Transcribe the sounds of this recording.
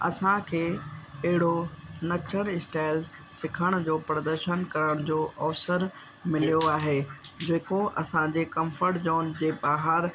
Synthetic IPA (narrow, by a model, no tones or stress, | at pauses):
ɐ̰sãkʰeːɐɦɪɽonɐt͡ɕʰəɽ̃ɪsʈaːɪl | sɪkʰəɽ̃ʊ̆d͡ʑoːpɾɐd̪əɾʃənkɐɾəɽ̃ʊd͡ʑoːʔɐfsəɾ | mɪlijoaːɦeːd͡ʑeːkoʔɐ̰sãd͡ʑeːkɐ̃mfəɾʈd͡ʑɔːnd͡ʑeːbaːɦəɾ